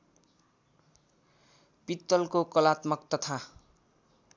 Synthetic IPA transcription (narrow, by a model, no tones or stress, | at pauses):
pit̪ːʌlkokʌlat̪mʌkt̪ʌt̪ʰa